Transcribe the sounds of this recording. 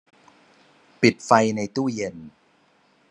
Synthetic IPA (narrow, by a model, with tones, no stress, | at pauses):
pi˨˩t̪̚fa˧jna˧jt̪uː˥˩je˧n